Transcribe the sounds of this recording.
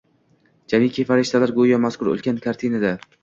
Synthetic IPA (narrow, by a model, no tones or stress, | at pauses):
d͡ʒamikʲʰefaɾɪʃt̪ʰalaɾɡojɒmaskʰʊɾo̰lˠkʲankʰaɾt̪ʰinad̪a